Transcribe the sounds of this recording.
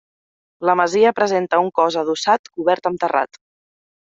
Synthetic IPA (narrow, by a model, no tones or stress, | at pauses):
ləməziəpɾəzent̪əuŋkɔzəð̞usat̪kuβɛɾt̪əmt̪əra̰t̪